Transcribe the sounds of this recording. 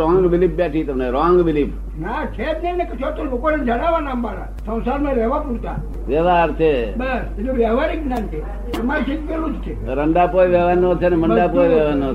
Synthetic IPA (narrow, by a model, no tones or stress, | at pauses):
ɔ̃ŋɡʋilip̚ʰbjaʈʰit̪əmneɾɔŋɡʋɪlipʰ | nat͡ʃʰet̪nəinekət͡ʃʰot̪ulokoned͡ʒəɽ̃aʋanãmbaɽa̰ | sə̃w̃saɾmãɾɛʋapuɽt̪a̰ | ʋjəʋaːɾt͡ʃʰebəsed͡ʒoʋjaʋaɾiɡnant͡ʃʰe | emaɾt͡ʃik̪ʋiɾud͡ʒ̪t͡ʃʰe | ɾəɳɖapojʋeʋanːot͡ʃʰeneməɳɖapojʋeʋano